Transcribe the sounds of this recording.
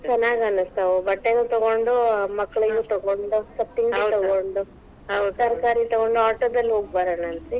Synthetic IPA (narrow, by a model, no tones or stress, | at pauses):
t͡ʃɐnːaːɡɐnust̪ɐʋubɐʈːenut̪ɔɡoɳɖumɐkːɐɭiɡut̪ɔɡoɳɖusɐpt̪iŋɡt̪ɔɡoɳɖu | uʈːaːɾkaːɾit̪ɔɡoɳɖuaːʈoːd̪ɐlːɦoːɡ̚baːɾanɐnt̪i